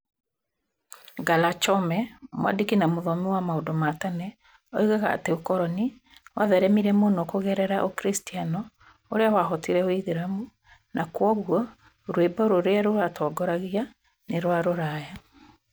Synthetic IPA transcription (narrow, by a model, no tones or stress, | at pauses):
ɡalat͡ʃɔmɛmwa̰dikinamoðɔmiwamaodɔmatanɛ | ɔiɣaɣa̰ːteokɔɾɔni | waðɛɾɛmiɾɛmonɔkoɣɛɾɛɾaʔokɾistianɔ | oɾeawaɦɔtiɾɛoiðiɾamu | nʔakwɔɣwɔ | ɾwebaɾoɾeaɾoɾatʰɔːɡɔɾaɣia | neɾwaɾoɾaja